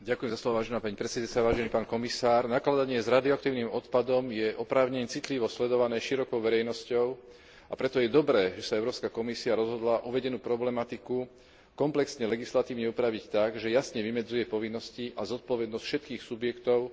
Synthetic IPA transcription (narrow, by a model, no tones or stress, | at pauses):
ɟakujɛmzaslɔʋɔʋaːʒɛnaːpaɲipɾɛt͡sɛd̪at͡saʋaːʒɛniːpaːnkɔmisaːɾnaklad̪aɲɪɛzɾad̪iɔakt̪iːʊnimɔt̪pad̪ɔmjɛʔɔpɾaːʊɲɛɲt͡sit̪liʋɔslɛd̪ɔʋanɛːʃiɾɔkɔʊʋɛɾɛjnɔscɔʊ | apɾɛt̪ɔjɛd̪ɔbɾɛːʒɛsaɛʊɾɔːpskakɔmisiaɾɔzɦɔd̪laʔuʋɛɟɛnuːpɾɔblɛmat̪iku | kɔmplɛksɲɛlɛɡislat̪iːʊɲɛupɾaʋict̪aɡʒɛjasɲɛʋimɛd͡zujɛpɔʋinːɔsciʔazɔt̪̚pɔʋɛd̪nɔscfʃɛt̪̚kiːxsubjɛkt̪ɔʊ